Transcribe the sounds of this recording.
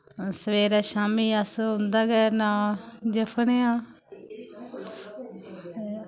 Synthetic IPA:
səʋeːɾaːʃaːmiːəsʊ̃nd̪aːɡɛːnãːd͡ʒəpʰneːãː

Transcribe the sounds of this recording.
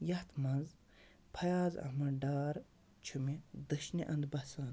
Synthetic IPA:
jɐht̪mɐnz | pʰɐjaːzɐ̰mɐɖaːɾ | t͡ʃʰumid̪ɨʃniʔɐnd̪bɐsaːn

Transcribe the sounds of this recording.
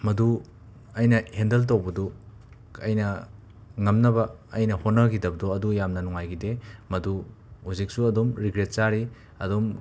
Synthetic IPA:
mɐdu | ɐjnɐhendɐlt̬ɐwbɐdu | ɐjnɐ | ŋɐmnɐbɐːjnɐhonːɐkidɐbɐdoɐdujamnɐnɔŋajɡidemɐdu | huzik̚suɐdumɾiɡɾet̚saɾi | ɐdom

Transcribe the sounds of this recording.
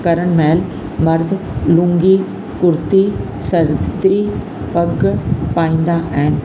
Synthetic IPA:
kɐɾəɽ̃meːl | mɐɾd̪ʱ | lũŋɡi | kʊɾt̪i | sɐɾd̪ɾi | pɐɡpaːĩːnd̪aʔaɦɪn

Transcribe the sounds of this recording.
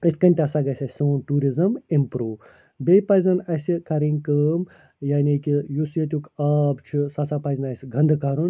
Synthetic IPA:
ət̪ʰʲkɐnʲt̪ʲɐsaɡɐsʲɐsʲsunʈuːɾizɐmimpɾuː | bʲejpɐzɐnɐsʲikɐɾinʲkəːm | jaːnʲikijusjɐt̪̬ʲukaːbt͡ʃʰisɐsʰaːpɐzʲnɐsʲɡʱɐ̃nd̪ɨkaɾun

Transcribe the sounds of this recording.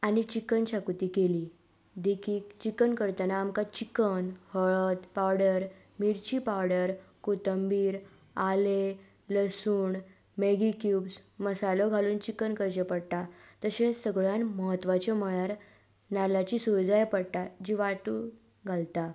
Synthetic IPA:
añit͡ɕikənɕakut̪iːkeliː | d̪ekʰiːkt͡ɕikənkəɾt̪anaːmkat͡ɕikənhəɭət̪pawɽəɾ | miɾt͡ɕipawɽəɾkot̪əmbiːɾ | ale | ləsuːɳ | meɡikjuːbsməsalɔɡʱaluːnt͡ɕikənkəɾd͡ʑepəɽt̪at̪əɕesəɡɭjanməɦət̪ʋat͡ɕɔməɭaɾ | nalat͡ɕisod͡zajpəɽt̪ad͡ʑiʋaʈuː | ɡʱalt̪a

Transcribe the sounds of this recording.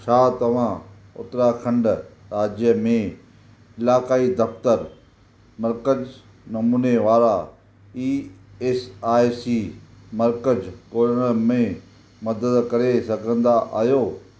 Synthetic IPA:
ʃʰaːt̪ɐʋ̤ã | ʊ̰t̪ɾakʰɐ̃ɳɖ | ɾaːd͡ʑjəmẽ | ɪlaːkaːid̪ɐft̪əɾ | mɐɾkəd͡ʑ | nɐmuːneʋaːɾa | iːesaːjsiː | mɐɾkəd͡ʑkoːɾəɽəmẽ | mɐd̪əd̪kɐɾesɐɡʱə̃nd̪aʔa̰ːɦijoː

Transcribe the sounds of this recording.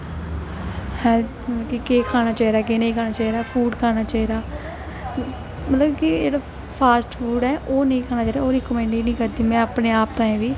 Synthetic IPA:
hɛ̃ːməəbkikeːkʰaːɽ̃aːt͡ʃaːiɾaːkeːnẽiːkʰaːnaːt͡ʃaːiːɾaːpʰuːɖkʰaːñaːt͡ʃaːiːɾaː | mət̪ləbkid͡ʒeːɽaː | pʰaːsʈfʰuːɖɛːʔoːnəĩːkʰaːnaːt͡ʃaːɾaːoːɾeːkomɛ̃ːɳɖiːnəĩːkəɾd̪iːmɛ̃ːapneːaːp̚t̪ãːẽːʋiː

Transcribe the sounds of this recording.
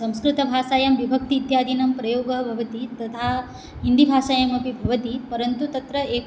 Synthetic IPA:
sɐ̃m̃skɾɪt̪ɐbʱaːʃaːjɐmʋibʱɐk̚t̪iːt̪jaːd̪ʱinɐmpɾɐjoːɡɐɦɐbʱɐʋɐt̪it̪ɐt̪ʰaː | ɦind̪ibʱaːʃaːjɐmɐpibʱɐʋɐt̪ipɐɾɐnt̪ut̪ɐt̪ɾɐeː

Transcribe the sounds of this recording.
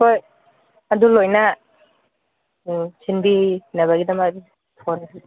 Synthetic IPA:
koj | ɐdulojna | sinbinaβaɡidɐmai | tʰonakʰ

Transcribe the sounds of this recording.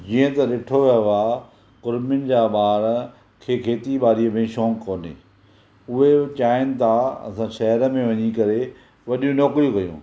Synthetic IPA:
d͡ʑiːə̃t̪ɐɗɪʈʰoʋɐa | qʊɾmɪʊnɪ̆d͡ʑaːɓaːɾ | kʰeːkʰeːt̪iɓaːɾiəmẽʃɔ̃ːŋkoːnḛː | ʊɦet͡ɕaːɪnɪ̆t̪ʰaɐ̰sãʃɐɦɾəmẽʋɐɲikɐɾe | ʋɐɗjũnɔːkɾijũkɐjṵ̃ː

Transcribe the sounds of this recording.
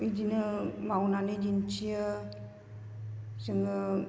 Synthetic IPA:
id͡ʒinəmaunanəd͡ʒint͡ʃiə | səŋə

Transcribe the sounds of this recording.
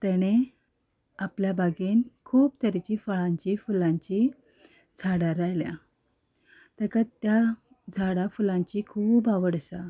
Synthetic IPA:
t̪ɛɽ̃e | apljabaɡenkʰuːbt̪əɾt͡ɕifaɭãɲt͡ɕifulãɲt͡ɕi | d͡zʱaɽaɾajlja̰ | t̪əkat̪ja | d͡zʱaɽafulãɲt͡ɕikʰuːbaʋəɽəsa

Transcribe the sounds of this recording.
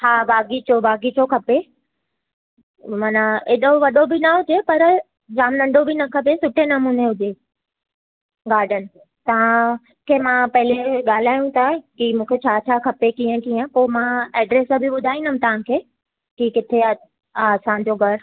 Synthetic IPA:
haːbaːɡit͡ɕobaːɡit͡ɕokʰɐpe | maːnaeɗoʋɐɗobinɐɦʊd͡ʑepɐɾ | d͡ʑaːmnɐ̃ɳɖʱobʱinɐkʰɐpesʊʈʰenɐmuːneɦʊd͡ʑe | ɡaːɾɖʱənɪ̆ | t̪ɐʋ̤ã | kʰeːmãpɐɦɪleɠaːl̤aːjũt̪ʰakimũːkʰet͡ɕʰaːt͡ɕʰakʰɐpekiːə̃kiːə̃poːmãɛːɖɾeːsbʱiɓʊd̪ʱaːĩnəm̃t̪ɐʋ̤ãkʰeː | kikɪt̪ʰeː | sãd͡ʑoɡʱɐɾ

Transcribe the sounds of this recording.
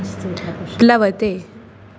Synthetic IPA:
laʋət̪e

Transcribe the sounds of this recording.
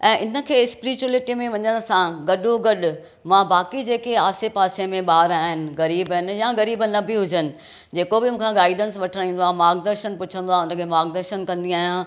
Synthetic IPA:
ɛ̃ːʔɪnə̆kʰeːɪspɪɾɪt͡ɕulɪʈimẽʋɐ̃ɲəɽ̃ʊ̆sãɡɐɗoɡɐɗʊ̆ | mãbaːkid͡ʑeːkeaːsepaːsemẽɓaːɾaːɦɪnɪ̆ɣɐɾiːbnɪ̆jãɣɐɾiːbənɐbɪɦʊd͡ʑənɪ̆ | d͡ʑeːkobɪmũːkʰãɡaːɪɖənsʋɐʈʰəɽ̃ĩːn̆d̪oaːmaːɡd̪əɾʃənpʊt͡ɕʰə̃nd̪oaːɦʊnə̆kʰeːmaːɡd̪əɾʃənkɐ̃nd̪iaːɦijã

